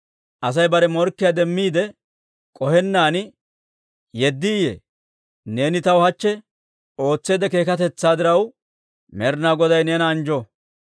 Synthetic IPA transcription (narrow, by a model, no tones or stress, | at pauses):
ʔɐs̬ɐjbɐɾɛmɔɾkːɪjad̪ɛmːiːd̪ɛ | kʼɔhɛnːaːn | jɛd̪ːɪːjḛː | ne̞ːnɪt̪ɐwhɐt͡ʃːɛ | o̞ːt͡sːe̞ːd̪ɛke̞ːkɐt̪ɛt͡sːaːd̪ɪɾɐw | mɛɾnaːɡɔd̪ɐjneːnɐːnd͡ʒɔ